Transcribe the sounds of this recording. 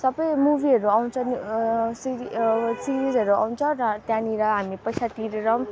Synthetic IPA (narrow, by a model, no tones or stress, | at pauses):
sʌbʌjmubiʌɾuawnt͡sʰʌnusiisiɾizʌɾua̰wnt͡sʰʌrʌt̪jãniɾʌɦamipʌjsat̪iɾeɾʌm